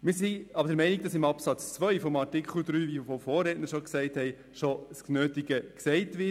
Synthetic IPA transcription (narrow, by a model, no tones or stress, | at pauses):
mɪsiɑbədəɾmɛɪniɡ̚d̥ɑsɪmɑpsɑt͡st͡sʋœʏfɔmɑɾtɪkχl̩d̪ɾyːʋifɔfɔːrɾɛːtnəɾʃɔksɛɪthɛɪ | ʃɔsknøːtiɡəksɛɪtʋɪ